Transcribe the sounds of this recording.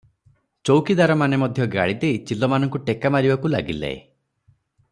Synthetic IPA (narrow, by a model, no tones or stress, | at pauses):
t͡ʃowkid̪aɾɔmanemɔd̪ʱjɔɡa̰ɭid̪eit͡ʃilɔmanɔŋkuʈekamaɾibakula̰ɡilḛḛ